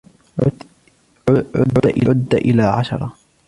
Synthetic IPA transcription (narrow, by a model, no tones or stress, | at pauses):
ʊʔɪʔʊd̪ːaʔɪlaːʕaʃɑ̰ɾˤɑ